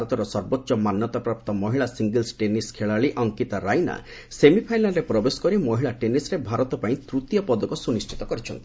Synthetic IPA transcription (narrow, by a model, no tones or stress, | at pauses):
aɾɔt̪ɔɾɔsɔɾbɔtːʃɔmanjɔt̪ɔpɾap̚t̪ɔmɔɦiɭasiŋɡelsʈeniskʰeɭaɭiʔɔŋkit̪aɾajna̰ | semipʰajlaɾepɾɔbesɔ̥kɔɾimɔɦiɭaʈenisɾebʱaɾɔt̪ɔpaĩt̪ɾut̪jɔpɔd̪ɔkɔsunisʈʰit̪ɔkɔɾit͡ʃʰɔnt̪ii